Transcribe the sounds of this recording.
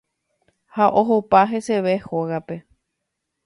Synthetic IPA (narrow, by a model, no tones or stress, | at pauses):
haʔo̞ɦopaɦe̞se̞ʋehoɣape̞